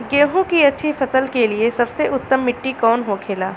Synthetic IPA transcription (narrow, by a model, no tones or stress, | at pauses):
ɡẽːɦũkiɐtːʃʰifɐsəlkeliesɐbseʔʊt̪ːəmːɪʈːikɔːnɦokʰeːlaː